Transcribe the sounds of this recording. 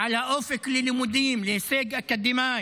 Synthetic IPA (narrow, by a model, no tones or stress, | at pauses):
ʕalaʔofɪklɪlɪmʊd̪iːmlɪseːɡʔakad̪ːɪmaː